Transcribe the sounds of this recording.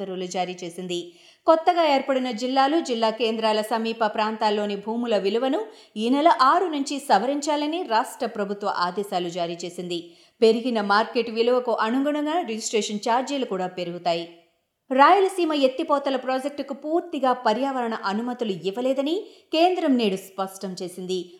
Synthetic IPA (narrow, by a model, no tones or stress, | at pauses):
ɐɾulud͡ʒaːɾiːt͡ʃe̞ːsind̪i | kɔt̪ːɐɡaːeːɾpɐɽinɐd͡ʒilːaːlud͡ʒilːaːkeːnd̪ɾaːlɐsɐmiːpɐpɾaːnt̪aːlːo̞ːnibʱuːmulɐʋiluʋɐnu | inɐlɐʔaːɾunuɲt͡ʃisɐʋɐɾiɲt͡ʃaːlɐniɾaːʂʈɾɐpɾɐbʱut̪ʋɐ̰ʔaːd̪ɛːʃaːlud͡ʒaːɾiːt͡ʃe̞ːsind̪i | pe̞ɾiɡinɐmaːɾkeʈʋiluʋɐkuʔɐnuŋɡuɳɐŋɡaːɾed͡ʒisʈɾeːʂɐnt͡ʃaːɾd͡ʒiːlukuːɽaːpe̞ɾuɡut̪aːji | ɾaːjulɐsiːmɐet̪ːipɔːt̪ɐlɐpɾoːd͡ʒek̚ʈkupuːɾt̪iɡaːpɐɾjaːʋɐɾɐɳɐʔɐnumɐt̪uluiʋːɐlɛːd̪ɐnike̞ːnd̪ɾɐmneːɽuspɐʂʈɐmt͡ʃe̞ːsind̪i